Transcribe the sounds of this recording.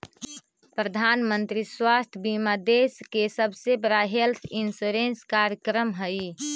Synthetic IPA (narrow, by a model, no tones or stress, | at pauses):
pɾəd̪ʱanmənt̪ɾiswast̪ʰjəbimad̪eskesəbʱsebəɾaɦelt̪ʰinsuɾenskaɾjəkɾəmɦəj